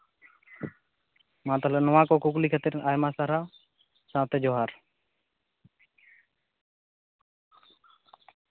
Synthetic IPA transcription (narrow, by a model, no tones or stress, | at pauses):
mãːt̪ələnəʋãːkoːkʊkliːkʰət̪iɾaːjmãːsaːɾaː | sãːt̪eːd͡ʒoːɦaːɾ